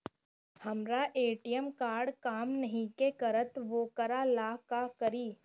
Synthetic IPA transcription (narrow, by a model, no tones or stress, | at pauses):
hɐmɾaʔeːʈijəmkaːɾɖkaːmnɐɦĩkekɐɾət̪ʋoːkəɾalaːkakɐɾiː